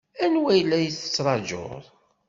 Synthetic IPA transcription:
ænwæjlːæjəθə̥t͡sːɾˤɑd͡ʒo̰ðˤ

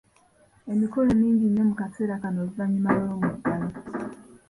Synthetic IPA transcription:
emikolomiːɲɟinemukateɾakanovaɲimaloɾomudani

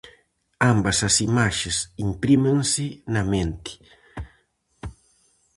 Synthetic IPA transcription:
ambɐsɐsimaʃɪsimpɾimẽŋsɪnɐmẽnt̪ɪ̥

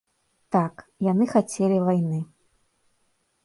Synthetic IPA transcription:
t̪akjanɨxat͡sʲelʲivajnɨ

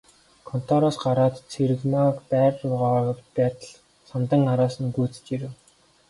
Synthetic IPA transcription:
kʰɔn̥t̪ʰɔɾɔsɢaɾaːt̪t͡sʰeɾɘ̆ɣmakpæːrʊʁaɣə̆kt̪pæːt̪ə̆ɮ | samt̪ə̆ŋaɾaːsə̆nɡujt͡sɘ̥̆t͡ɕiɾɘ̆w

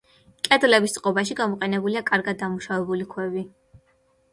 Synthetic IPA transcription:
kʼɛd̪lɛbist̪sʼqʼɔbaʃiɡamɔqʼɛnɛbuliakʼaɾɡad̪̚ːamuʃavɛbulikʰwɛvi

